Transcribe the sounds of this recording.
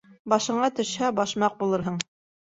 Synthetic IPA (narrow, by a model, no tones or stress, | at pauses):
bɑʃɤ̆ɴɑt̪ɵ̆ʃhæbɑʃmɑq̚bulˠɤɾɦɤɴ